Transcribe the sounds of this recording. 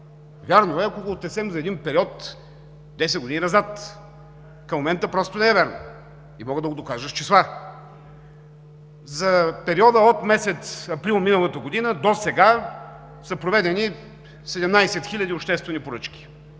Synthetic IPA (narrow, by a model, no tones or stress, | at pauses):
vʲjaɾnoɛɐkoɡoːt̪ɛsɛmzɐɛd̪inpɛɾiɔt̪ | d̪ɛs̬ɛd̪ɡʊd̪ininɐzat̪ | kɐmːomɛnt̪əpɾɔst̪onɛɛvɛɾno̰ | imɔɡəd̪ɐɡod̪okaʒəʃt͡ʃislˠa | zɐpɛɾiɔd̪əot̪mɛsɛt̪sɐpɾilˠminəlˠət̪əɡod̪inəd̪osɛɡa | sɐpɾovɛd̪ɛni | sɛd̪ɛmnajsɛt̪xilʲɐd̪ioʃt̪ɛst̪vɛnipoɾɤt͡ʃk̟ʲi̥